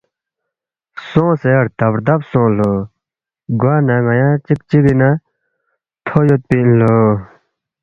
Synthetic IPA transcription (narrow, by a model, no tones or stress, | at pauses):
soŋseart̪ap̚d̪ap̚soŋlo | ɡwanaŋajãt͡ɕək̚t͡ɕikina | t̪ʰojot̪̚pilo